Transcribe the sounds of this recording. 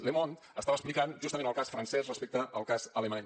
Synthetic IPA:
lemon | əst̪aβəsplikanʒust̪əmẽnəlˠkasfɾənsɛsrəspek̚t̪əːlˠkazəlemaɲ

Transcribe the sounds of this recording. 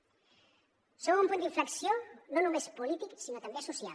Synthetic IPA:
soβumpund̪iɱfɾaksjononumespulit̪iksinot̪ambesusial

